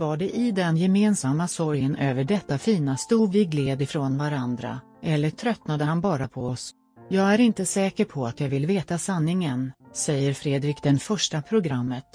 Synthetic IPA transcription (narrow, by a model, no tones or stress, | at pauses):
vaɖɛʔɪd̪ɛnjɛmeːnsamːasɔɾjənʔøːvəɖɛt̪ːafiːnast̪uːvɪɡleːd̪ɪfɾoːnvaɾand̪ɾa̰ | ʔɛlːəʈʰɾœt̪nad̪əhanbɑːɾapʰɔɔs | jɑːɡæɾɪnt̪əsɛːkəɾpʰɔat̪jɑːvɪlveːt̪asanːɪŋənsɛjːəɾfɾeːd̪ɾɪkd̪ɛnfœʂʈapʰɾʊɡɾamːət̪